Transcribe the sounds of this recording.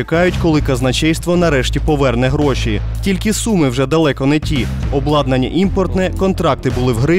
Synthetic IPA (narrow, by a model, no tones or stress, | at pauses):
ɪkɑjʊtʲkɔlˠɪkɐznɐt͡ʃɛjst̪ʋɔnɐɾɛʃtʲipɔʋɛrnɛɦɾɔʃʲi | tʲilʲkɪsumɪwʒɛd̪ɐlˠɛkɔnɛtʲi | ɔblˠɑd̪nɐnʲːɐ̰ʔimpɔrt̪nɛkɔnt̪ɾɑk̚t̪ɪbʊlˠɪwɦɾɪ